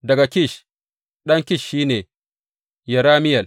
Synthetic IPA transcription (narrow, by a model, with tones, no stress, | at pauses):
dɐ˨ɡa˨kʲɪ˦˨ʃ | ɗɐ˦ŋkʲɪ˦˨ʃːiː˦neː˨ | jɐ˨ɾaː˦mɪ˦jɐ˨l